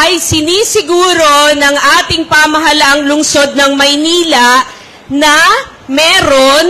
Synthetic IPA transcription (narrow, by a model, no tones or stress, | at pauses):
ʔɐjsɪniːsɪɡuːɾo̞nɐŋʔaːt̪ɪŋpaːmɐɦɐlaʔɐŋlʊŋso̞d̪̚nɐŋmɐjniːlɐʔ | nɐ | mɛːɾon